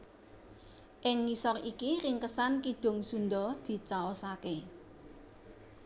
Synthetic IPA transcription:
ʔɪŋːisɔrikiɾɪŋkəsankid̥ʊ̤ŋsund̪ɔd̪̥i̤t͡ʃaosake

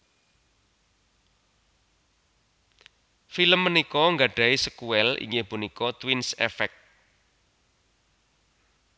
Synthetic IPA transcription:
filəmːənikɔŋɡaɖ̥a̤isəkuwɛlḭŋɡehb̥unikɔt̪winsɛ̰fɛk̚

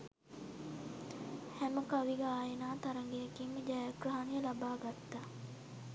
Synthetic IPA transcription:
hæməkaʋiɡəaːjenaːt̪aɾəŋɡejɐkiːməd͡ʒɛjakrɐɦanijəlabaːɡat̪ːa

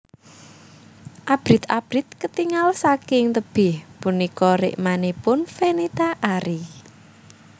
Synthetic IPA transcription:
ʔab̥ɾɪt̪ab̥ɾit̪̚kət̪iŋalsakɪŋt̪əb̥ɪhpunikɔɾɪ̰ʔmanipʊnfenit̪aʔaɾi

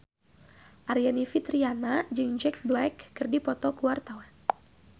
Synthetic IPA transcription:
ʔaɾianifit̪ɾianad͡ʒɨŋd͡ʒɛk̚blɛkːɨrdipɔt̪ɔkuwart̪awan

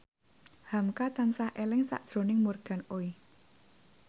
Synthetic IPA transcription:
hamkat̪ansahʔelɪŋsa̰ʔd̥ʒ̥ɾo̤nɪŋmurɡ̥a̤noi

